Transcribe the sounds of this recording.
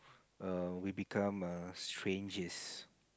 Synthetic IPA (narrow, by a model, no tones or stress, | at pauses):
ʌwibikʰãmʌstʰɹẽnd͡ʒəs